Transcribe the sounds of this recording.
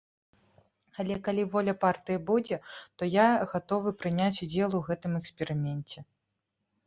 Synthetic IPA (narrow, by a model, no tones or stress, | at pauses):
alʲɛkalʲivɔlʲɐpart̪ɨjɐbud͡zʲɛt̪ɔjaɣat̪ɔvɨpɾɨnʲat͡sʲud͡zʲɛlˠuɣɛt̪ɨmɛksʲpʲɛɾɨmʲɛnʲt͡sʲɛ